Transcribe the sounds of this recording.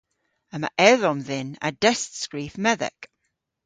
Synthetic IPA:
əma̰ʔɛðɔmðɪna̰d̥ɛstskɹiːfmɛðɛ̰k

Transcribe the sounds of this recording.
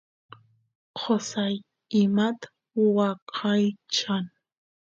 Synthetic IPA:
qʰosaj | ɪmat̪ | wɑqʰɑjt͡ʃan

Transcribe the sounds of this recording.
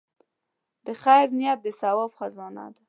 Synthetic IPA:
d̪̥əxajɾnjap̚d̪əsawɔbxazɑna̰d̪a

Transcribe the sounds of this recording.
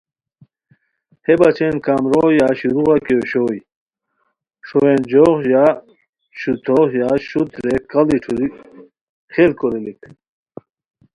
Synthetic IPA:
hebɐt͡ɕʰenkamɾojaɕiɾuʁakeoɕoːj | ʂowend͡ʑoʁja | ɕut̪ʰoʁjaɕut̪ɾekɐliʈ͡ʂʰuɾi | χelkoɾilik

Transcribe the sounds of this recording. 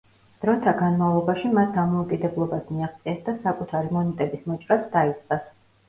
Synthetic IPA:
d̪̥ɾɔt̪ʰaɡanmavlˠɔbaʃimasd̪amɔukʼid̪ɛblˠɔbasmiaχt̪sʼiɛsd̪asakʼut̪ʰaɾimɔnɛt̪ʼɛbismɔt͡ʃʼɾasd̪ait̪sʼqʼas

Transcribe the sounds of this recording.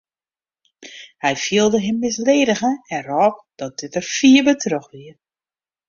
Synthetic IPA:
hɛjfiəlˠdəɦɪmːɪsleːdəɣəɛɾɔːp̚d̥ɔt̚d̥ɪtərfiəbətʰrøxʋiə

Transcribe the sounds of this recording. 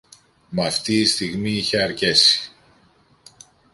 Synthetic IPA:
mɐft̪iːst̪iɣmiiçe̞ɐɾce̞si̥

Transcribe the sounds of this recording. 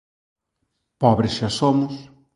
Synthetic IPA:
pɔβɾesʃasomʊs

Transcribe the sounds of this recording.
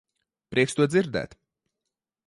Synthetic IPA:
pɾʔiɛkst̪uɔd̪ziɾd̪ɛ̰ːt̪

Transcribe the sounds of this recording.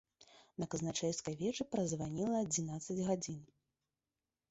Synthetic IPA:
nɐkɐznat͡ʂɛjʲskɐjvʲɛt͡ʂɨpɾɐzvanʲilˠɐːd͡zʲinat̪sɐd͡zʲɣad͡zʲin

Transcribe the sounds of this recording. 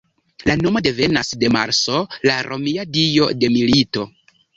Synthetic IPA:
lano̞mo̞de̞ve̞nasde̞ma̰ɾso̞laɾʔo̞̰miadio̞de̞milito̞

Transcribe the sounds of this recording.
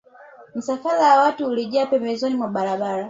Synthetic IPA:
m̩safalawawatuːliʄaːpɛmbɛzɔnimwaɓaɾaɓaɾa

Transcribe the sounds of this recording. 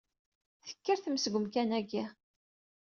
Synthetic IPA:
θə̥kːəɾθəmsəɡʷəmkænæɡi

